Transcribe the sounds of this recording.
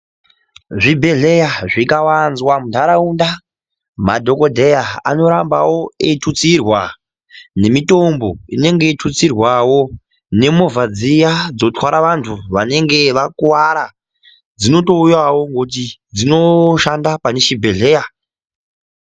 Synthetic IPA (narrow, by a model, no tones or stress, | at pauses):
ʐibʱe̞ɮe̞jaʐikawanzwamundaɾaunda | madʱo̞ko̞dʱe̞jaa̰no̞ɾambawo̞etʰut͡sirwa | ne̞mito̞mbo̞ine̞ŋɡe̞itʰut͡sirwawo̞ | ne̞mo̞vad͡zijad͡zo̞twaɾaʋantʰuʋane̞ŋɡe̞ʋakuwaɾa | d͡zino̞to̞ujawo̞ŋɡot̬id͡zino̞ʃandapane̞ʃibʱe̞ɮe̞ja